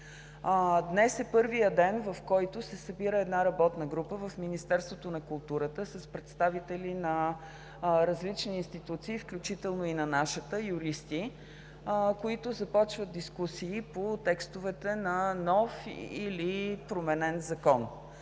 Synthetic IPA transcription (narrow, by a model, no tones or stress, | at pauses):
d̪nɛsɛpɤɾvijəd̪ɛnvɐfkɔjt̪ʊsɛsəbiɾəɛd̪naɾɐbɔt̪nəɡɾupəvəfminist̪ɛɾst̪vot̪onɐkʊlˠt̪uɾət̪əsəspɾɛt̪st̪avit̪ɛlinɐ | ɾɐzlit͡ʃniːnst̪it̪ut̪siːfklʲut͡ʃit̪ɛlˠnoinɐnaʃət̪əjuɾist̪i | koit̪ʊzɐpɔt͡ʃvət̪̚d̪iskusiːpot̪ɛkst̪ʊvɛt̪ɛnɐnɔfilipɾomɛnɛnzɐkɔn